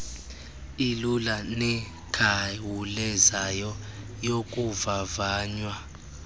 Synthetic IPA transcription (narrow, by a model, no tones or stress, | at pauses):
ilulanɛ | kʰawulɛzajɔ | jokʼuvavaːɲwa